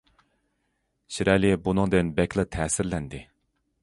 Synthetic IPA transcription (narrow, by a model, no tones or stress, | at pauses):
ʃiɾʔɛlɪbunɨŋd̪ɪnbɛkʲlˠɨt̪ʰɛːsɪɾlɛnd̪ɪ